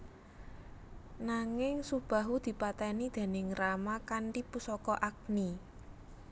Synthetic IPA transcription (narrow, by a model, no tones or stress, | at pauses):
naŋɪŋsub̥a̤ɦud̪̥i̤pat̪ɛnid̪̥e̤nɪŋramakaɳʈipusɔkɔʔak̚ni